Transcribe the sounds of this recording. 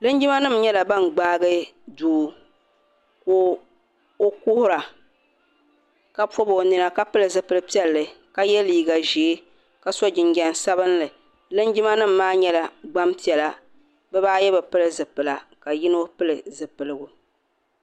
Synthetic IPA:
lɨ˦n˦d͡ʒɪ˦ma˦nɨ˦m̩ɲɛ˦la˨ba˦˨nɡ͡baː˦ɡɨ˦duː˨ | koː˦ | o˦kʊ˦hʊ˦ɾa˨ | ka˦pɔ˦bo˨nɨ˨na˨ka˦pɨ˦lɨ˨zɨ˨pɨ˦lɨ˦pi˦ɛ˦lːɨ˨ka˦jɛ˦liː˦ɡa˨ʒeː˨˦ | ka˨sɔ˦d͡ʒɪ˨ɲɡɛ˨n˨sa˦βɨ˦nlɨ˨ | lɨ˦nd͡ʒɪ˦ma˦nɨ˦m̩ːaː˦ɲɛ˦la˨ɡ͡ba˦mpi˨ɛ˨la˦ | bɛ˦baː˦jɛ˦bɛ˨pɨ˦lɨ˦zɨ˨pɨ˨la˨ka˨jɪ˦n˦o˦pɨ˦lɨ˨zɨ˨pɨ˨lɨ˦ɡʊ˨

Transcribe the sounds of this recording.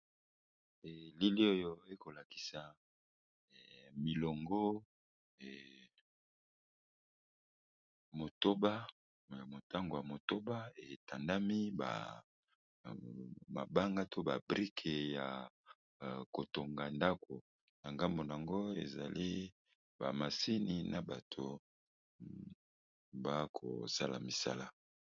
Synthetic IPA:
ɛ˨li˦li˦o˦jo˦e˦ko˨la˨ki̥˨sa˨ | mi˨lo˨ŋɡo˦˨ | mo˨to˦ba˦ | ja˨mo˨ta˦ŋɡo˨ja˨mo˨to˦ba˦e˨ta˨nda˦mi˦ba̰˨ | ma̰˨ba˦ŋɡa˦to˦ba˨bʁi˦kʰe˨ja˨ | ko˨to˨ŋɡa˨nda˦kʰo˨ | na˨ŋɡa˦mbo˨n˨a˨ŋɡo˦ḛ˨za˨li˦ | ba˨ma˨si˦ni˨na˨ba˨tʰo˨ | ba˦kʰo̰˨sa˦la̰˨mi˨sa̰˦la˦

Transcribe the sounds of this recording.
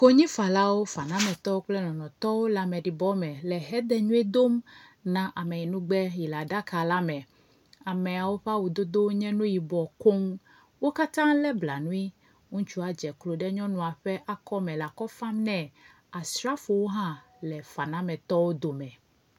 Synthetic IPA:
ko˦ɲĩ˦fa˨la˦wo˦fa˨nã˦mɛ̃˨t̪ɔ˦wo˦k͡plɛ˦nɔ̃˨nɔ̃˨t̪ɔ˦wo˦la˨mɛ̃˨ɖi˨bɔ˦mɛ˨lɛ˨ɦɛ˦d̪ɛ˦ɲũ˦ɛ˦d̪o˦mnã˨ʔa˨mɛ˨i˨nũ˦ɡ͡bɛ˦ji˨la˨ɖa˦ka˨la˦mɛ̃˨ | a˨mɛ˨a˨wo˦ɸa˦wu˨d̪o˦d̪o˦ɲɛ̃˦nũ˦ji˨bɔ˨ko˦m | wo˦ka˦t̪ã˦lɛ˦bla˨nũ˦i˦ | ŋũ˦t͡ʃu˦a˨d͡ʒɛ˨klo˨ɖɛ˦ɲɔ̃˦nũ˨a˨ɸɛ˦ʔa˦kɔ˦mɛ̃˨la˨kɔ˦fa˦mnɛ̃˨ | a˨sɾa˦fo˨wo˦ɦã˦ | lɛ˨fa˨nã˦mɛ̃˨t̪ɔ˦wo˦d̪o˨mɛ̃˨

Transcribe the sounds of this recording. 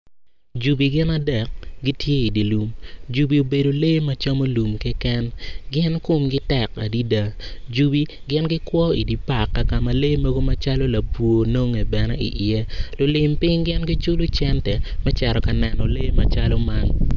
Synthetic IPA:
d͡ʒu˨bi˨ɡɪ˦na˦dɛ˨k̚ɡi˦tʰje˦i˨di˨lu˨md͡ʒu˨bi˨o˨be˨do˨le˦ma˦t͡ʃa˦mo˦lu˨mkɛ˦kɛ˦nɡɪ˦nko˦mɡɪ˦tɛ˨ka˨di˦da˨d͡ʒu˨bi˦ | ɡɪ˦nɡɪ˦kwɔ˦i˨di˨pa˨kːa˨ka˨ma˨le˦mɐ˦ɡo˦ma˦t͡ʃa˦lo˦la˨pwo˨no˦ŋe˨bɛ˨nɛ̰˦ḭ˨ʔɪe˦lʊ˨lɪ˦mpɪ˦ŋɡɪ˦nɡɪ˦t͡ʃʊ˦lʊ˦t͡ʃɛ˦ntɛ˨mɛ˦t͡ʃɛ˨ɾɔ˨ka˨nɛ˨nɔ˨le˦ma˦t͡ʃa˦lɔ˦ma˦n

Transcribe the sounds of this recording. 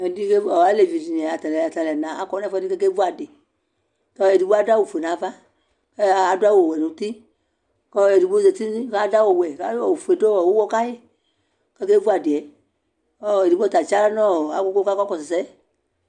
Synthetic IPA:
ɛ̃˨di˦ke˦˨ɔ˨a˨˦le˨vi˨ti˨n˨ɛ̃˨a˨ta˨lɛ˨a˨ta˨lɛ˨nãː˨a˧kɔ˧˦n˦ɛ̃˦fɛ˧˦i˦kɛ˧ke˦vu˦a˨de˨ | kɔ˧˨e˨di˦ɓo˦a˧da˦wo˨fe˨nãː˨˦va˦ | kɛ˧˨a˧du˦a˧˦wo˨o˨wɛ˨nũ˨˦tĩ˦ | kɔ˧e˨di˧˦ɡ͡bo˦se˧˨ti˦nĩ˦ka˧˦da˦wo˨wɛ˨ka˧˦ɔ˨u˨fe˨do˦wɔ˨wo˦wɔ˦ka˦je˦˨ | kɛ˧ke˦vu˦a˨de˨ɛ˨˦ | ɔ˧˨e˨di˨˦ɓo˦ta˨t͡ʃa˦la˦nɔ̃˦˨a˨ko˧ko˦ka˦kɔ˦kɔ˧˨sɛ˨sɛ˦

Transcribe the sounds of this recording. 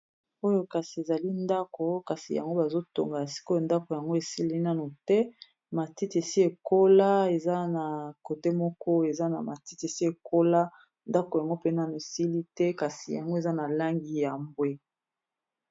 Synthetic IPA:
o˦jo˦ka˨si˨e˨za˨li˦nda˦ko˨ka˨si˨ja̰˨ŋɡo˦ba˨zo˦to̰˨ŋɡa˨a˨si̥˦ko˦jo˨nda˦ko˨ja˨ŋɡo˦e˨si˦li˦na˦no˨tɛ˦ | ma˨ti˦te˨si˦e˨ko˦la˦e˨za˦na˨ko˨te˦mɔ˦kɔ˦e˨za˦na̰˨ma˨ti˦te˨si˦e˨ko˦la˦ | nda˦ko˨ja˨ŋɡo˦pe˦na˦nu˨e˨si˦li˦tɛ˦ka˨si˨ja̰˨ŋɡo˦e˨za˦na˨la˦ŋɡi˦ja˨mbwe˦

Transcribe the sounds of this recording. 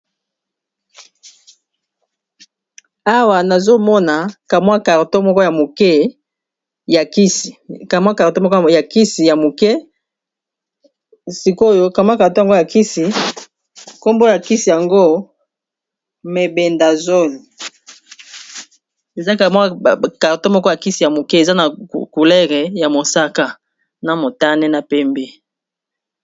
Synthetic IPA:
a˦wa˨na˨zo˦mɔ˦na˨ka˨mwa˦ka˨ʁto˦mɔ˦kɔ˦ja˨mo˨kɛ˦ | ja˨ki˦si˨ka˨m˦a˦ka˨ʁto˦mɔ˦kja˨ki˦si˨ja˨mo˨kɛ˦ | si˨ko˦jo˦ka˨m˦a˦ka˨ʁto˦ja˨ŋɡo˦ja˨ki˦si˨ | ko˦mbo˦ja˨ki˦si˨ja˨ŋɡo˦ | me˨be˨nda˨zo˦ni˨ | e˨za˦ka˨ma˦ka˨to˦mɔ˦kɔ˦ja˨ki˦si˨ja˨mo˨kɛ˦e˨za˦na˨ku˨lɛ˦ʁe˨ja˨mo˨sa˦ka˦ | na˨mo˨ta˦nɛ˦na˨pɛ˦mbe˦

